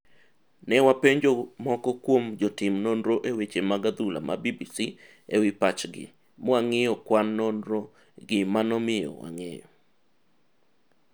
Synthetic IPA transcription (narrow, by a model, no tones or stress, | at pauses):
nɛwapeɲd͡ʒomɔkɔkwomd͡ʒɔtɪmnonɾoʔewet͡ʃemaɡad̪ula̰ma̰bibisi | ewɪpat͡ʃɡɪ̰ | mɔaŋejɔkwanːonɾo | ɡɪmanɔmɪjɔ̰wa̰ŋḛjɔ̰